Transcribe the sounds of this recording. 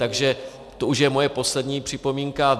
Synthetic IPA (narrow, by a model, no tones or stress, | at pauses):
t̪aɡʒɛ | t̪o̞uʃjɛmo̞jɛpo̞slɛdɲiːpr̝̥ɪpo̞miːŋka